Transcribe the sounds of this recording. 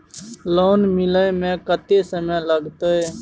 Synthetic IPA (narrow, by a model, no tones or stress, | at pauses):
loːnmɪləẽmẽːkət̪esəməjləɡt̪ee